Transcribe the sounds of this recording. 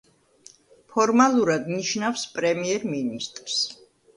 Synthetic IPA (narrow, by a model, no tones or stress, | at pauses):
pʰɔɾmalˠuɾad̪niʃnafspʼɾɛmiɛɾminist̪ʼɾs